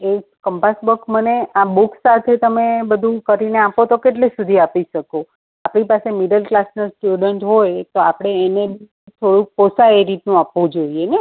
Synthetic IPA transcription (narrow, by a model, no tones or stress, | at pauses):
ekəmpasbəkməneabuksat̪ʰet̪əmebəd̪ʱũkəɾineapot̪okeʈlesud̪ʱiapiʃəko | apɽ̃ipasemiɖəlklasnəsʈjuɖəɳʈɦojt̪oapɽ̃eːnebʱi | t̪ʰoɽũkposaeɾit̪nũapʋũd͡ʒoiene